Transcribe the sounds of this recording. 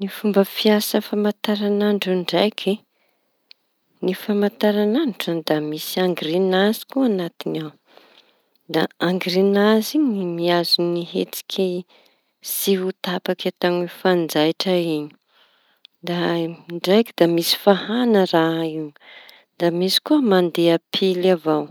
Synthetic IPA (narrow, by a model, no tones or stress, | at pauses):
nifumbəfiasəfamat̪aɾanaɳɖ͡ʐuɳɖ͡ʐajkʰi | nifamat̪aɾananʈ͡ʂad̪amisiaŋɡrinazi̥kuanat̪inaw | d̪aaŋɡɾinaziɲimiazuniɦet͡si̥kʰʲi | siɦut̪apakat̪aŋufand͡zajʈ͡ʂaiɲi̥ | d̪aɳɖ͡ʐajkid̪amisi̥fahanəraiw | d̪amisi̥kuəmand̪eapʰilavaw